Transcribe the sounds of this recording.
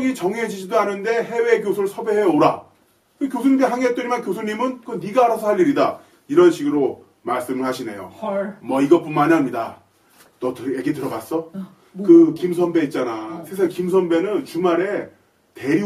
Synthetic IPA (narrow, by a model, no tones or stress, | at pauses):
ŋit͡ɕʌŋeed͡ʑiɕʰidoɦanɯnde̞ɦe̞we̞ːk̬josʰuɯɭsʰʌbeɦeoɾa | kɯkjosʰuɲimiɦaŋet̚t͈ɯɾimankjosʰuɲimɯnkɯniɡaːɾasʰʌɦaʎːiɾida | iɾʌnɕʰiɡɯɾo | maɭs͈ɯmɯɭɦaɕʰine̞jo̰mʌiɡʌp͈unmanamɲida | t͈ʌtɯjeɡitɯɾʌɡas͈ʌ | kɯkims̬ʰʌnbe̞it̚t͡ɕ͈anasʰe̞s̬ʰakimsʰʌnbe̞nɯnt͡ɕumaɾe̞ | te̞ɾi